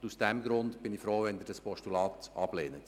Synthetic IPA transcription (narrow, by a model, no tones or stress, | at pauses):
usd̥ɛmɡɾʊndb̥ɪnɪfɾoːʋɛnd̪ɪːɾdɑspɔʃtulɑːtʔɑb̥leːnət